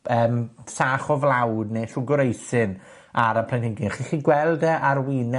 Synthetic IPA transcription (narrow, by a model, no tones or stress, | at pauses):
əːmsaχɔvlˠawdneʃʊɡʊɾejsɨn | aɾəpʰl̥ɛnɪɡɪnχiːχiːɡwɛlˠdɛʔaɾwinɛ